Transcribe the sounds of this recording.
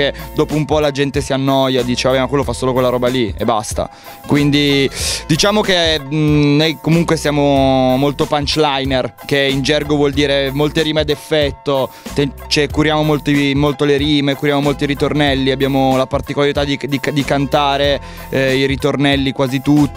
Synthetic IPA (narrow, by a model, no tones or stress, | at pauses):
ed̪oːpoumpɔlad͡ʒɛnt̪esianːɔjad̪iːt͡ʃevabɛmakwelːofasːoːlokwelaɾɔːbaliɛ̰bːa̰st̪a̰ | kwind̪id̪it͡ʃaːmoke | nojkomuŋkwesjaːmomolt̪opant͡ʃlajnerkeind͡ʒɛrɡovwɔld̪iːɾemolt̪eɾiːmead̪efːɛt̪ːot̪e | t͡ʃɛkːuɾjaːmomolt̪imolt̪oleɾiːmekuɾjaːmomolt̪oiɾit̪ornɛlːiabːjaːmolapart̪ikolaɾit̪ad̪id̪ikd̪ikant̪aːɾe | iɾit̪ornɛlːikwaːzit̪ut̪ː